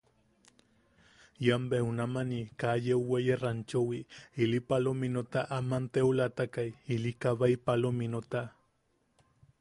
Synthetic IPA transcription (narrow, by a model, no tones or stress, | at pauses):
jambeunamanikajewwejerant͡ʃowiilipalominot̪aʔamant̪eulat̪akajilikaβaipalominot̪a